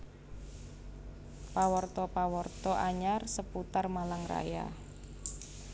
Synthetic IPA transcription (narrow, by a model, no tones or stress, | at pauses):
pawɔrt̪ɔpawɔrt̪ɔʔaɲarsəput̪armalaŋra̰ja̰